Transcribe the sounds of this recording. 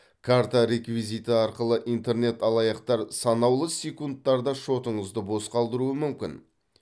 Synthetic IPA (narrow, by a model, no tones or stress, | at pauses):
kʰaɾt̪aɾe̞kvijzijt̪əɑɾqəlˠəʔijnt̪e̞ɾne̞t̪ɑlˠɑjɑqt̪ɑɾsɑnɑwlˠəsʲekunt̪ːɑɾd̪ɑʃo̞t̪əɴəzd̪əbo̞sqɑlˠd̪əɾuəmʏmkʲɪ̰n